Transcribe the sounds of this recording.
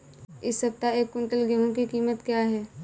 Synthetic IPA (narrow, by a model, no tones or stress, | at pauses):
ɪsːəp̚t̪aeːkːʊ̃ɳʈəlɡiɦõkikiːmət̪kjaɦɛː